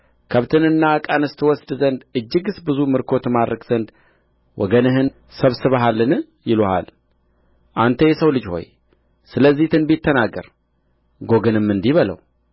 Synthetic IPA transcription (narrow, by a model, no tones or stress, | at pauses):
kʰəβt̪ʰɨnɨnːakʼanɨst̪ʰɨwɔsd̪zənd̪ɨd͡ʒːɨɡɨsbɨzumɨɾkʰo̞t̪mad̪ɾəkz̥ənd̪ | wʔɔ̰ɡənɨɦɨn | səβsɨβəɦalːɨnɨ | jɪloha̰l | ʔant̪ʰəjɛsəwlɨd͡ʒho̞̰j | sɨləzːiht̪ʰɨnbit̪ːənaɡːə̰ɾ | ɡo̞ɡɨnɨmːɨnd̪iβələ̰w